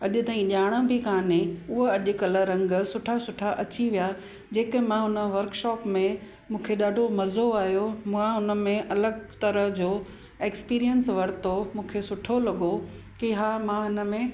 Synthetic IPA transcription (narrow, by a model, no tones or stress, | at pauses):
ɐʄʊ̆t̪aːĩʄaːɽ̃ə̆bʱɪkaːneʊɦoɐʄʊ̆kɐlə̆ɾɐ̃ŋɡ̆sʊʈʰasʊʈʰaʔɐt͡ɕiʋija | d͡ʑeːkəmãɦʊnə̆ʋɐɾkʃɔːpmẽ | mũːkʰeɗaːɖʱomɐzoaːɦjom̃ãɦʊnə̆mẽʔɐləɡt̪ɐɾəɦd͡ʑoː | eːkspiːɾijənsʋɐɾɪt̪omũːkʰesʊʈʰolɐɠo | kiɦaːmãɦɪnə̆mẽ